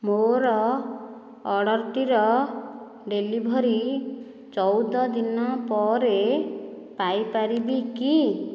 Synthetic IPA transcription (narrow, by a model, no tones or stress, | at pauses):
moɾɔ | ɽɔɾt̪iɾɔ | ɖelibʱɔɾi | t͡ʃɔwd̪ɔd̪inɔpɔɾe | pajpaɾibiki